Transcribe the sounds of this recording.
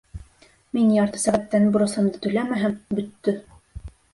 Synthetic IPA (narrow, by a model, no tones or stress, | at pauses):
minjɑɾt̪ɤ̥sæʁæt̪ːænbŏɾɤ̆sɤ̆md̪ɤt̪ɵ̆læmæɦæmbɵ̆t̪ːɵ